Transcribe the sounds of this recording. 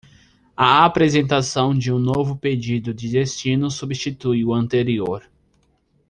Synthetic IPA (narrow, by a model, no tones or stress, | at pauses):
aapɾezẽnt̪asɐ̃w̃d͡ʒɪũnovʊped͡ʒid̪ʊd͡ʒ̪ɪd̪est͡ʃĩnʊsubist͡ʃit̪ujʊɐ̃nt̪eɾioɾ